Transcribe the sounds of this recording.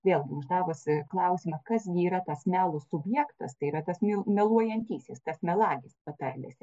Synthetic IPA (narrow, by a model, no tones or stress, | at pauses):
ʋʲeːlˠɡʲɪʊʒd̪ɑːʋʊsʲklˠɐʊsʲiːmɐkɐsʲiːɾɐt̪ɐsmʲæːlˠʊssʊbʲjɛkt̪ɐst̪ɐɪiɾɐt̪ɐsmʲɪmʲɛlˠuɔjɛnʲt̪ʲiːsʲest̪ɐsmʲɛlˠɑːɡʲɪspɐt̪ɐrʲlʲḛsʲ